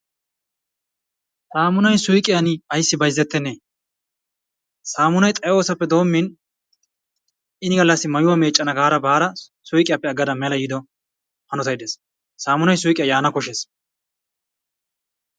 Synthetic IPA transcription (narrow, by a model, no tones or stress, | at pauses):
saːmʊnɐjsʊjkʼɪjɐnɪɐjsːɪbɐjzːɛt̪ːɛnːeː | saːmʊnɐjt̪ʼɐjo̞ːsɐpːɛd̪o̞ːmːɪn | ʔɪnɪɡɐlːɐsːɪmɐjʊwɐme̞ːt͡ʃʼːɐnɐɡaːɾɐbaːɾɐ | sʊjkʼɪjɐpːɛɐɡːɐd̪ɐmɛlɐjɪd̪ɔ | hɐnɔt̪ɐjd̪es | saːmʊnɐjsʊjkʼɪjajaːnɐkɔʃes